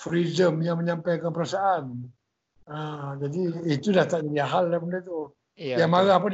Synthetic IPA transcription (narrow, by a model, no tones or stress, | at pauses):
fɾidəmjaŋməɲampajkanpəɾasaʔan | ad͡ʒadiit̪udaht̪aʔd͡ʒadiaɦaldapundat̪u | jaŋmaɾahpan